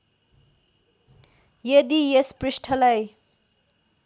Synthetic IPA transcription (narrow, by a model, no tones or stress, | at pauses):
jed̪ijesprisʈʰʌlaj